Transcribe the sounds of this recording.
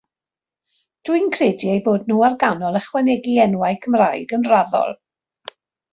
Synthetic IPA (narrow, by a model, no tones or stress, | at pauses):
d̥wɨnkʰrediejboːdnuːarɡanɔlˠəχwɛnɛɡiɛnwajkʰəmraɨɡənraðɔ̰lˠ